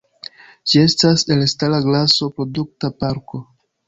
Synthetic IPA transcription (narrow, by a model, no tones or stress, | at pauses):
d͡ʒie̞stase̞lstalaɡlaso̞pɾo̞duk̚tapaɾko̞